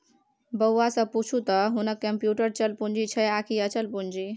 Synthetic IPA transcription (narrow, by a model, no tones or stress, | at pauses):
bəːasəbput͡ʃʰut̪ɔɦunəkːəmpjuʈəɾt͡ʃəlpund͡ʒit͡ʃʰəakʰiət͡ʃəlpund͡ʒi